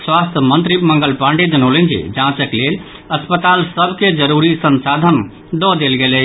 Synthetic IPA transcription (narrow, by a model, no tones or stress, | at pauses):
swast̪ʰəmənt̪ɾiməŋɡəlpãɳɖed͡ʒənolend͡ʒḛd͡ʒãt͡ʃəklel | əspət̪alsəbʱked͡ʒəɾuɾisənsad̪ʱən | d̪ɔd̪elɡelɛ